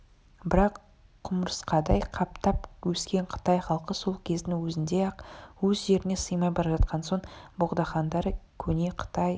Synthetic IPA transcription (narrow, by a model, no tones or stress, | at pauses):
bɪɾɑqʰː | ʊməɾəsqɑd̪ɑjqʰɑp̚t̪ɑpwɵskʲe̞ɴqʰə̥t̪ɑjχɑlˠqəso̞lˠkʲʰe̞zd̪ɪŋwɵzɪnd̪e̞ɑqwɵzʒe̞ɾɪne̞səjmɑjbɑɾɑʒɑt̪̚qɑnso̞ɴbʊʁd̪ɑχɑnd̪ɑɾəkʲʰɵne̞qʰə̥t̪ɑj